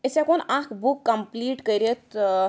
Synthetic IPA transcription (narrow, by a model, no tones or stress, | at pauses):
esɛ̃konãkʰbukːəmpliʈkəɾet̪